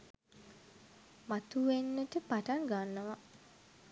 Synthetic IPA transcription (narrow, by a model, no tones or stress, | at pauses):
mat̪uenːəʈəpaʈaŋɡanːəʋa